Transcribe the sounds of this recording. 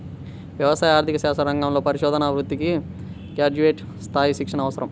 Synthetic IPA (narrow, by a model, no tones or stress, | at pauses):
ʋjɐʋɐsaːjaːɾt̪ʰikɐʃaːsɐɾɐŋɡɐmlo̞ːpɐɾiʃɔːd̪ɐnɐʋɾut̪ːiki | kjaːd͡ʒuʋeːʈ | st̪ʰaːjisikʂɐnɐʋɐsɐɾɐm